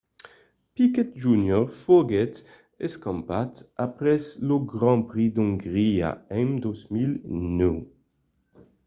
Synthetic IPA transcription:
pikɛt̪̚ʒunjɔʁfoɡɛt̪ | ɛskɑ̃mpat̪apʁɛsloɡʁɑ̃pʁid̪ɔ̃ŋɡʁia̰ɛ̃md̪ozmilnø

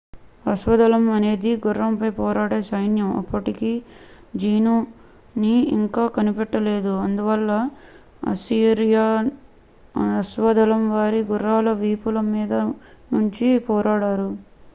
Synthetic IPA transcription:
ɐsʋɐd̪ɐlɐmɐne̞ːd̪iɡurːɐmpɐjpɔːɾaːɽeːsɐjnjɐmɐ̰pːɐʈikiː | d͡ʒiːnuː | niḭŋkaːkɐnipɛʈːɐle̞ːd̪uɐnd̪uʋɐlːɐ | ɐ̰siːɾijaː | ɐsʋɐd̪ɐlɐmʋaːɾiɡurːaːlɐʋiːpulɐmːiːd̪ɐnuɲt͡ʃipɔːɾaːɽaːɾu

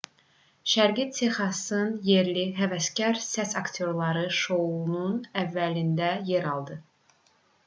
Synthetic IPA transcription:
ʃæɾɡit̪ʰexɑsɯnje̞ɾliɦævæscæɾsæsɑkt̪ʰo̞ɾlˠɑɾɯʃo̞ununævːælind̪æje̞ɾɑlˠd̪ɯ

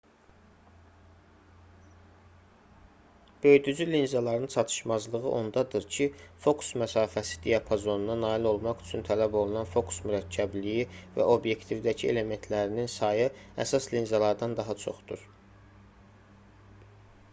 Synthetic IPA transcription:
b̥ø̞jd̪yd͡ʒylinzɑlˠɑɾɯnt͡ʃʰɑt̪ʰɯ̥ʃmɑzlˠɯʁɯʔo̞nd̪ɑd̪ɯɾcʰifo̞kʰu̥smæsɑːfæsi̥d̪ijɑpʰozo̞nunɑnɑːilo̞lˠmɑχy̥t͡ʃʰynt̪ʰælæbo̞lˠunɑnfo̞kʰu̥smyɾæcʰːæblijivæ̰ʔo̞bje̞kt̪ʰivd̪æcʰie̞̰le̞me̞nt̪ʰlæɾininsɑjɯæ̰sɑslinzɑlˠɑɾd̪ɑnd̪ɑɦɑt͡ʃʰo̞̰χd̪uɾ

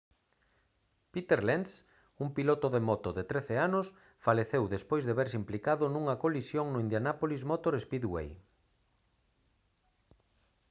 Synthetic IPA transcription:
pit̪eɾlens | umpilot̪ʊðemot̪oðet̪ɾeθeanos | faleθewðespojzðeβeɾsimplikaðʊnũŋɐkolisjoŋnʊind̪janapolizmot̪oɾespiðwḛj

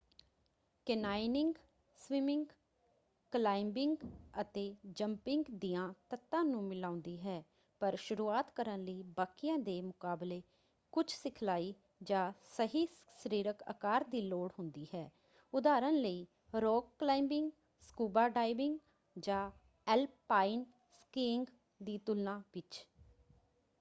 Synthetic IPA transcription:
kɛnaːɪnɪŋɡ | swɪmɪŋɡ | klaːɪmbɪŋɡət̪eːd͡ʒəmpɪŋɡd̪iːjãːt̪ət̪ːãːnũːmɪlãːʊ̃nd̪iːɦɛː | pəɾʃʊɾuːaːt̪kəɾənləiːbaːkɪjãːd̪eːmʊkaːbleː | kʊt͡ʃʰsɪkʰlaːiː | d͡ʒãːsəɦiː | səɾiːɾəkə̰kaːɾd̪iːloːɽɦʊnd̪iːɦɛː | ʊd̪aːɾənləiː | ɾoːɡklaːɪmbɪŋɡ | skuːbaːɖaːɪbɪŋɡ | d͡ʒãː | ɛlpːaːɪn | skɪːŋɡ | d̪iːt̪ʊlnãːʋɪt͡ʃ

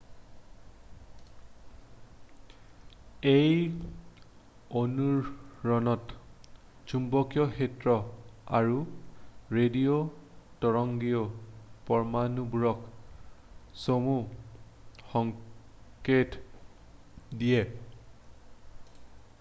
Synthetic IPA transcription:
ej | onuɹɹɔnɔt | d͡ʒumbɔkjɔxetɹɔaɹu | ɹediotɔɹɔŋɡijopɔɹmanubuɹɔk | somu | xɔŋket | dijɛ

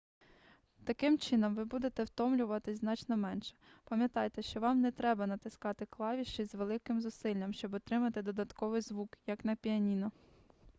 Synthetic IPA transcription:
t̪ɐkɪmt͡ʃɪnɔmʋɪbud̪et̪ɛwt̪ɔmlʲʊʋɐt̪ɪzʲnɑt͡ʃnɔmɛnʃɛ̥pɐmʲjɐt̪ɑjt̪ɛʃt͡ʃɔʋɑmnɛt̪ɾɛbɐnɐt̪ɪskɑt̪ɪklˠɑʋʲiʃt͡ʃɔzʲʋelˠɪkɪmzʊsɪlʲːɐmʃt͡ʃɔbɔt̪ɾɪmɐt̪ɪd̪ɔd̪ɐt̪kɔʋɪjzʋukjɐknɐpʲiɐnʲinɔ

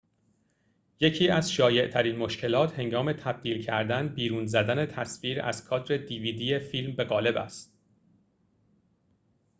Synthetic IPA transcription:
je̞cʰiːæzʃɒːje̞ʔt̪ʰæɾiːnmo̞ʃcʰe̞lɒːt̪he̞ŋɡɒːme̞t̪ʰæb̥̚d̪iːlcʰæɾd̪ænbiːɾuːnzæd̪æne̞t̪ʰæsfiːɾæ̰zkʰɒːt̪ɾe̞d̪iːviːd̪iːjefilmbe̞ɣɒːle̞bæ̰st̪̚

